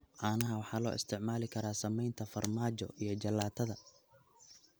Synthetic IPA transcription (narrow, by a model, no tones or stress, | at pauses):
ʕɑːnɐɦɐwɑħɑːlɔ̰ːʔɪst̪ʰɪʕmaːlɪkʰɐɾaːsɐmɛjnt̪ʰɐfɐrmaːt͡ʃɔ̰ʔijɞd͡ʒɐlːaːt̪ʰɐðɐ